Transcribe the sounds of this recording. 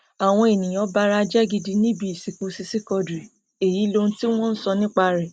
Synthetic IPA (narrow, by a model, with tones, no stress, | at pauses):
a˨w̃ɔ̃˧e˨nĩ˨j̃ɔ̃˨˦ba˦ɾa˦d͡ʒɛ˦ɡi˧di˧nĩ˦bi˧i˨si˨ku˧˦si˧si˦kɔ˧dɾi˨ | e˨ji˨˦lõ˧˦ti˦w̃ɔ̃˦n̩˦sɔ˧nĩ˦k͡pa˧ɾɛ˨